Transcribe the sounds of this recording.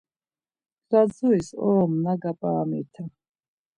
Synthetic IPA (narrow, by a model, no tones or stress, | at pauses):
zad͡zuisɔɔmnaɡapʼaamit̪ʰa